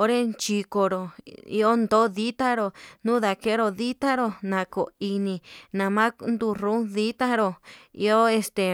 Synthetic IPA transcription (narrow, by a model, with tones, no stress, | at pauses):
o˦ɾe˦nt͡ʃi˧ko˧ɾo˨ḭ˧o˦nd̪o˦ði˦t̪a˦ɾo˧nũ˦ða˨ke˦ɾo˧ði˦t̪ã˦ɾo˧nã˨ko˨i˧nĩ˧nã˨mã˦nd̪u˧ɾũ˦ði˦t̪ã˦ɾo˧ḭ˧o˦e˧st̪e˨